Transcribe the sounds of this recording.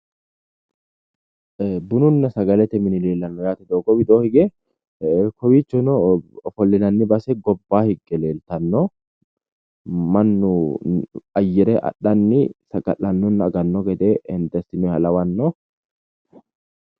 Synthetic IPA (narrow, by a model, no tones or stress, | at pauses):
bʊnʊnːɐsɐɡɐlɛt̪ɛmɪnɪle̞ːlːɐnːɔjaːt̪ɛd̪oːɡɔbɪd̪oːhɪɡɛ | kɔwiːt͡ʃːɔnɔfɔlːɪnɐnːɪbɐsɛɡɔbːaːhɪɡːɛle̞ːlt̪ɐnːɔ | mɐnːʊ | ɐjːɛɾɛʔɐ̰ɗːɐnːɪsɐɡɐlːɐnːɔnːɐːɡɐnːɔɡɛd̪ɛɛnd̪ɐst̪ɪmɛɐlɐwɐnːɔ